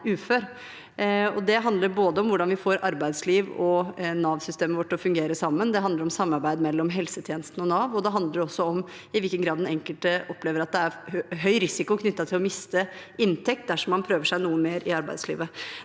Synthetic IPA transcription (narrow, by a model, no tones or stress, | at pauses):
ʉːføːɾ | ɔd̪ɛɦɑnd̪ləɾboːd̪əɔmʋʊɖɑnʋɪfoːɾɑɾbæɪd̪sliːʋɔnɑːʋsʏst̪eːməʋɔʈːɔfʉŋɡeːɾəsɑmːənd̪ɛɦɑnd̪əɾɔmsɑmːɑɾbæɪd̪mɛlːɔmɦɛlsət̪ʰjeːnəst̪n̩ɔnɑːʋɔd̪ɛɦɑnd̪əɾɔsːɔɔm | ɪʋɪlkənɡɾɑːd̪ɛnɛŋkəlt̪əʔɔpːleːʋəɾɑt̪̚d̪ɛæɾɦœʏɾɪsɪkʊkʰnʏt̪ːɑt̪ʰɪlɔmɪst̪ə | ɪnt̪ʰɛk̚t̪̚d̪æʂɔmːɑnpʰɾøːʋəʂæɪnuːəmeːɾʔɪɑɾbæ̰ɪd̪slḭːʋə